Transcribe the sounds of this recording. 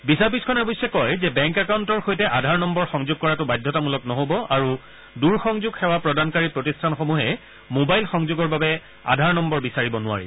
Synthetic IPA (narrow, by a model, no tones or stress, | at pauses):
bisaɹbiskʰɔnɛbɔjsɛkɔjzɛbɛŋkɛkauntɔɹxojtɛʔadʱaɹnɔmbɔɹxɔŋzoɡ̚kɔɹatʊbajdʱɔtamulɔknɔɦobɔʔaɹu | duɹxɔŋzuɡxɛwapɹɔdankaɹipɹotistʰanxomuɦɛ | mobajlxɔŋzoɡɔɹbabɛ | a̰dʱaɹnɔmbɔɹbisaɹibɔnʊa̰ɹḭ